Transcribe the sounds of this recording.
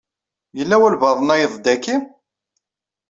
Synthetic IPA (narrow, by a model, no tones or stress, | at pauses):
jəlːæwælvɑðˤənæjəðˤd̪ækːi